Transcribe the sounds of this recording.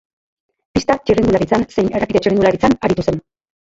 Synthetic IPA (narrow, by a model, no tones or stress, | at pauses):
pist̪at͡ʃiriŋɡ̪ulaɾit͡sanse̞jne̞re̞piðe̞t͡ʃiriŋɡ̪ulaɾit͡sanaɾit̪use̞n